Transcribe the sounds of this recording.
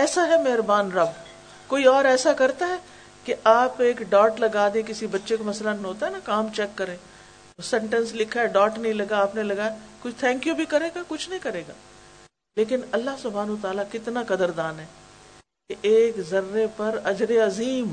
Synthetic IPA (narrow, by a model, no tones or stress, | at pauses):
ɛːsaɦɛmɛɦɾbaːnɾɐb | koːiɔːɾɛːsakɐɾt̪aɦɛː | keʔaːpeːkɖaːʈlɐɡaːd̪ẽk̬ɪsibɐtːʃekamɐslanɦoːt̪aɦɛnakaːmt͡ʃɛkːɐɾẽː | osɛ̃ɳʈə̃nslɪkʰaɛɖaːʈnɐɦĩlɐɡaaːpnelɐɡaːjakʊt͡ʃʰt̪ʰɛ̃ːŋkjubʱikɐɾeːɡakʊt͡ʃʰnɐɦĩkɐɾeːɡa̰ː | leːkɪnɐlːaɦsʊbʱaːnuət̪aːlakɪt̪nakɐd̪əɾd̪aːnɦɛː | keʔeːkzɐɾːepɐɾɐd͡ʒɾeɐziːm